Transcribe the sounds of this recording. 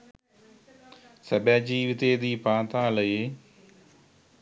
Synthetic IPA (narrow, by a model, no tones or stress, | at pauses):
səbɛ̃ːd͡ʒiːʋɪt̪eːd̪iːpãːt̪ãːləeː